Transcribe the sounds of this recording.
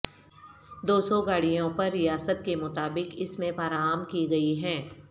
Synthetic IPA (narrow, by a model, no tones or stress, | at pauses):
d̪oːsɔɡaːɽijõpɐɾːɪjaːsət̪kemʊt̪aːbɪkɪsmẽfaːɾaːmkiɡɐiɦɛ̃ː